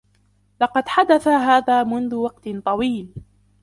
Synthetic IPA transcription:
lɑqɑd̪ħad̪aθaɦaːðaːmʊnðʊwɑqt̪t̪ˤɑwiːl

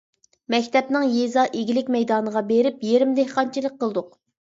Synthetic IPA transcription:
mɛkʲt̪ʰɛpnɪŋjezɑʔeɡʲilɪkʲmɛjd̪ɑːnəʁɑbeɾɪpjeɾɪmd̪ehqɑnt͡ʃʰilˠəq̚qʰːəlˠd̪ʊq̚

